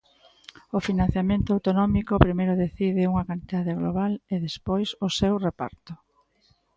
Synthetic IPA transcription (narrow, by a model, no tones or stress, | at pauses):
ʊfinãn̟θjamẽnt̪ʊawt̪onɔmikʊpɾimejɾʊðeθiðɪuŋɐkant̪iðaðeɣloβaleðespojsʊsewrepa̰ɾt̪ʊ